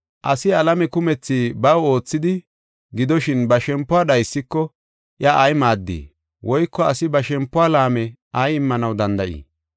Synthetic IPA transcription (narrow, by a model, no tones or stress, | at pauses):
ʔɐsɪɐlɐmɛkʊmɛt͡sːiːbɐwo̞ːt͡sːɪd̪ɪ | ɡɪd̪ɔʃɪnbɐʃɛmpːʊaːɗɐjsːɪkːɔ | ʔjɐʔːjmaːd̪ːḭː | wʔɔjkːɔɐsɪbɐʃɛmpːʊaːlaːmɛʔɐjɪmːɐnɐwd̪ɐnd̪ɐʔḭː